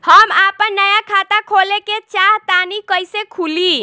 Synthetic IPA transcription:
həmapənːəjakʰat̪akʰoleket͡ʃaɦt̪anikəjsekʰuli

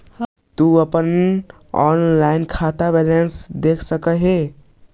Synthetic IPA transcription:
t̪uəpən | ɔ̰nlainkʰat̪abɛlensd̪ekʰsəkəɦe

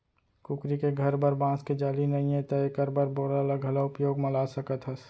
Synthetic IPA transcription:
kʊkɾikeɡʱɐɾbəɾbãːsked͡ʒaːlinəɦĩɦẽt̪əekəɾbəɾboːɽaələɡɦɐlaʊpjoːɡməlasəkət̪ɦəs

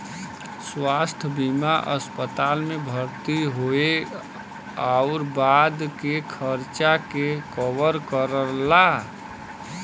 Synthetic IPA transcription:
swast̪ʰbimaʔəspət̪almebʱəɾt̪iɦoe | aʊɾbad̪kekʰəɾt͡ʃakekɔʋəɾkəɾəla

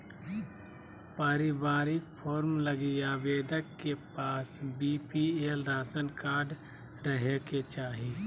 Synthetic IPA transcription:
pəɾɪbaːɾɪkpʰɔːɾmləɡiaʋeːd̪əkːepaːsbiːpielɾaːsənkaːɾɖ | ɾəɦeket͡ʃaːɦiː

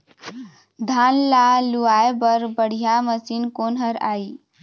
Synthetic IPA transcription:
d̪ʱanlaluaebəɾbəɽ̤ijaməsinkonɦəɾa̰i

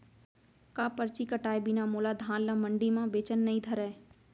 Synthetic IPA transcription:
kaːpəɾt͡ʃikəʈaːebinamoːlaːd̪ʱãːnlə̃mə̃ɳɖimãbeːt͡ʃənːɐĩd̪ʱəɾɛː

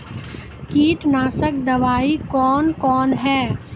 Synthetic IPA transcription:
kiːʈnaːsək̚d̪ɐʋaːikɔːnkɔːnɦɛː

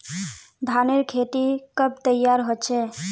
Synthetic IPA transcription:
d̪ʱaneɾkʰeʈ̪ikəb̚ʱt̪əjːaɾɦot͡ʃʰɛ

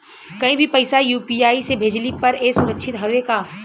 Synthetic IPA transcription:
kɐĩbʱipɐɪsajuːpiːaːisebʱeːd͡ʒlipɐɾesʊɾəkʃʰɪt̪ɦɐʋekaː

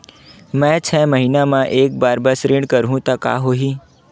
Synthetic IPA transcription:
mɛ̃t͡ʃʰɛːməɦiːnamãʔeːk̚baːɾbɐsɾɪɖkɐɾɦũt̪aka̰ːɦoːɦiː

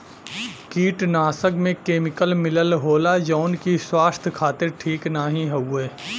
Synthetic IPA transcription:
kiːʈnaːsəkmẽkeːmɪkəlmɪləlɦoːlad͡ʒɔːnkiswaːst̪ʰkʰaːt̪ɪɾʈʰiːknaːɦĩɦɐueː

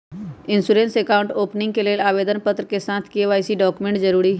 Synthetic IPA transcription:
ɪ̃nsuːɾẽːnsekaːʊ̃ɳʈoːpnɪ̃ŋɡ̚keleːlaːʋeːd̪ənpət̪ɾəkesãːt̪ʰkieʋaːjsiɖɔːkʊmẽːɳʈd͡ʒəɾuːɾiɦ

